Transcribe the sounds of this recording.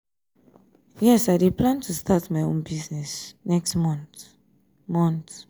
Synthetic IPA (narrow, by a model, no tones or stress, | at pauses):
jɛsaɪdeplãntʰustʰatmaɪõ̰nbiznɛsnɛkstmɔ̃nt | mɔ̃nt̪